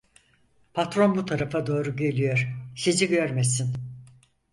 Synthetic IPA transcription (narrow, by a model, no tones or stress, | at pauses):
pʰat̪ɾo̞nbut̪ʰaɾafad̪o̞ːɾuɟe̞lʲijo̞ɾ̥siziɟøɾmesin